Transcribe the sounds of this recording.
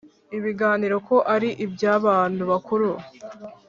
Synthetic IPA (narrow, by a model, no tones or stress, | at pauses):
iβiɡaːniːɾo̞ko̞ʔaɾiʔibjaːβaːnduβakuɾu